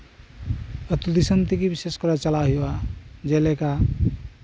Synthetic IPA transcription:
ət̪ud̪isənt̪ikibiseskəɾat͡ʃəlaɦiwad͡ʒeleka

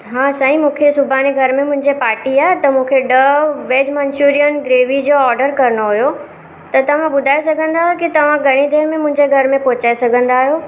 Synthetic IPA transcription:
ɦãːsɐɦĩmũːkʰesʊbʱaneɡʱɐɾmẽmʊ̃ɦɪ̃ɲd͡ʑepaːɾʈiaːɦet̪ɐmũːkʰeɖɐʋeːd͡ʑmɐ̃ɲt͡ɕuːɾijənɡɾeːʋid͡ʑoːɔːɾɖəɾkɐɾnoɦujo | t̪ɐt̪ɐʋ̤ãbʊd̪ʱaːesɐɡʱə̃nd̪aːɦjokit̪ɐʋ̤ãɡʱɐɽ̃id̪ʱeːɾmẽmʊ̃ɦɪ̃ɲd͡ʑeɡʱɐɾmẽpɔːt͡ɕaːesɐɡʱə̃nd̪aːɦjoː

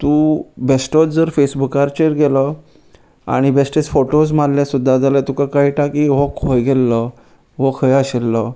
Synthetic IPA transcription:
t̪ũbesʈɔt͡sd͡zəɾfesbukaɾt͡ɕeɾɡelə | a̰ɽ̃ibesʈet͡sfoʈosmaɾlasud̪ʱːad͡zalat̪ukakaiʈakiɦɔkʰojɡɛlːə | ɦɔkʰəjaɕelːə

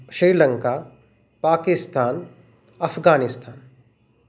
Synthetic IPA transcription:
ʃɾiːɾlɐ̃ŋka | paːkɪst̪ʰaːn | ɐfɡaːnɪst̪ʰaːn

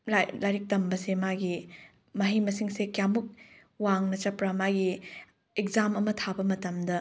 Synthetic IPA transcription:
lalajɾik̚tɐmbɐsemaɡi | mɐɦimɐsiŋsekjamuk̚ | waŋnɐt͡ʃɐpɾamaɡi | ekzamɐmɐtʰabɐmɐtɐmdɐ

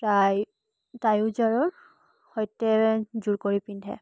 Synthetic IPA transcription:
paj | tajʊzaɹɔ | hɔjtɛzuɹkoɹipindʱɛ̰

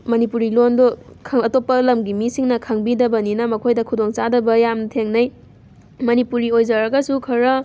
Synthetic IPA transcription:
mɐnipuɾilondɔkʰɐtopːɐlɐmɡimisiŋnɐkʰɐŋbidɐbɐninɐmɐkʰojdɐkʰudoŋt͡ʃadɐbɐjamtʰeŋnɐj | mɐnipuɾiojd͡ʒɐɾɐɡɐsukʰɐɾɐ

